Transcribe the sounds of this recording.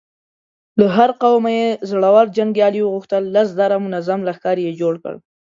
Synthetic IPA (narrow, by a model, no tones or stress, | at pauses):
laɦaɾqawmajezɽawɑɾd͡ʒaŋɡjɑliwəɣuxt̪əlːas̬d̪aɾamʊnazamlaxkɑɾijed͡ʒoɽkə̰ɽ